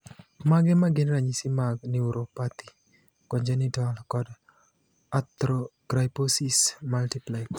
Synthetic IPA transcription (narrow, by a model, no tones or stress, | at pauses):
maɡɛmaɡɪnɾaɲisimaɡniuɾopat̪i̥ | kɔɲd͡ʒɛnitalkɔd | at̪ɾoɡ̥ɾajposismaltiplaɪd